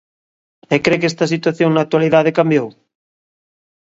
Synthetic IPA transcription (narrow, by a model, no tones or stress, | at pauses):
ekɾekest̪ɐsit̪waθjoŋnak̚t̪waliðaðekambjow